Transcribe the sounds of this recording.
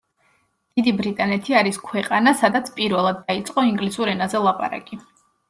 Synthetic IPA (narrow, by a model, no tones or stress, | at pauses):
d̪̥id̪ibɾit̪ʼanɛt̪ʰiaɾiskʰwɛqʼanasad̪at̪sʰpʼiɾvɛlˠad̪̚ːait̪sʼqʼɔiŋɡlisuɾɛnazɛlˠapʼa̰ɾa̰kʼi